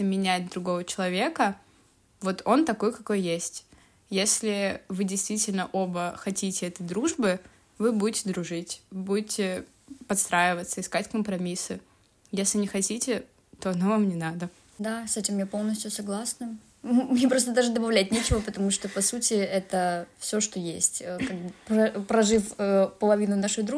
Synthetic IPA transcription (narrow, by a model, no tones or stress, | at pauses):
ɪmʲɪnʲæjɪt̪̚d̪ɾʊɡo̞vət͡ɕɪlˠɐvʲe̞kə | vo̞t̪o̞nt̪ɐko̞jkɐko̞jjesʲtʲ | jesʲlʲɪvɨdʲɪjst̪vʲitʲɪlʲnəʔo̞bəxɐtʲitʲɪɛt̪əjd̪ɾuʐbɨ | vɨbudʲɪtʲɪd̪ɾʊʐɨtʲbudʲɪtʲɪ | pɐt̪st̪ɾajɪvət̪səɪskatʲkəmpɾɐmʲisɨ | jesʲlʲɪnʲɪxɐtʲitʲɪ | t̪o̞ɐnovamnʲɪnad̪ə | d̪asɛtʲɪmjapolˠnəsʲtʲjʊsɐɡlˠasnə | mnʲepɾost̪əd̪aʐɨd̪əbɐvlʲæt̪̚ʲnʲet͡ɕɪvəpət̪ɐmuʂt̪opɐsutʲɪɛt̪əfsʲo̞ʂt̪ojesʲtʲəkaɡ̚bpɐpɾɐʐɨfəpəlˠɐvʲinʊnaʂɨɣd̪ɾu